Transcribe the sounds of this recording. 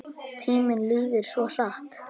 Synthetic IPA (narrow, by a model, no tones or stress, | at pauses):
t̪ʰiːmɪnliːvɪɾ̥svɔr̥aht̪